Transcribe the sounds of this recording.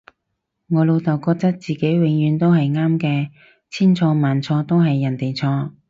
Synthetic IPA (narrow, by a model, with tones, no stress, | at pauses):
ŋɔː˨˧lo˨˧wt̪ɐ˨˩wkɔː˧k̚t̪ɐ˥k̚t͡siː˨ke˨˥jwɪ˨˥ŋjyː˨˧nt̪o˥wɦɐ˨jŋaː˥mkɛː˧ | t͡sʰiː˥nt͡sʰɔː˧maː˨nt͡sʰɔː˧t̪o˥wɦɐ˨jːɐ˨˩nt̪e˨jt͡sʰɔː˧